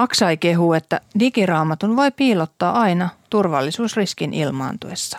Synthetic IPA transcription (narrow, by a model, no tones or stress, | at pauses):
ɑksɑjke̞ɦuːe̞t̪ːædikirɑːmɑt̪unʋo̞jpiːlot̪ːɑːɑjnɑt̪urʋɑ̰lːisuːsriskinʔilmɑ̰ːnt̪ṵesːɑ̥